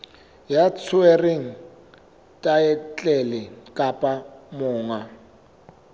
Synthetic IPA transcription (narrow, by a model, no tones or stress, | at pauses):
jat͡sʰʊɛreŋ̩ | tʼaɛt͡ɬʼɛlɪkʼapʼamʊːŋa